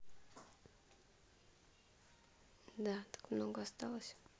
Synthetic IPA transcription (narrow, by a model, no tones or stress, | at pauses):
d̪at̪ḁkmnɔɡɔst̪awɔɕɛ̥